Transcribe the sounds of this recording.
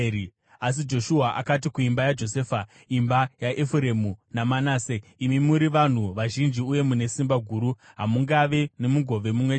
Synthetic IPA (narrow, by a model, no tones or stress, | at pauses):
as̬id͡ʒo̞ʃuɦaʔakat̬ikuimbajad͡ʒo̞seːfa | imbajaʔefuɾe̞munamanaːseimimuɾiʋan̤uʋaʒind͡ʒiuje̞mune̞simbaɡʱuːɾu | ɦamuŋɡaʋe̞ne̞muɡʱo̞ʋe̞mumwe